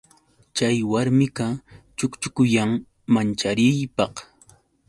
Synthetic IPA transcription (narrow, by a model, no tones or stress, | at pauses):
t͡ʃajwaɾmɪkat͡ʃʊkt͡ʃʊkʊjaŋ | mant͡ʃaɾɪjpɑχ